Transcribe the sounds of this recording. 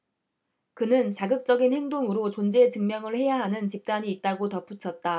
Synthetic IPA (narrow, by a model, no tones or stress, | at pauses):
kɯnɯnt͡ɕaɡɯk̚t͡ɕ͈ʌɡinhe̞ŋdoŋɯɾot͡ɕond͡ʑe̞tɯŋmjʌŋɯɭhe̞jaɦanɯnt͡ɕip̚t͈aɲiːt̚t͈aɡotʌp͈ʰut͡ɕʰʌt̚t͈a